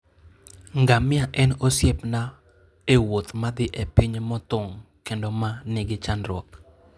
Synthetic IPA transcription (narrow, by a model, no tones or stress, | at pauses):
ŋɡamɪaʔɛnosjepna | ewot̪mad̪ɪʔepiɲmɔt̪ʊŋ | kendomanɪɡɪt͡ʃanɾɔk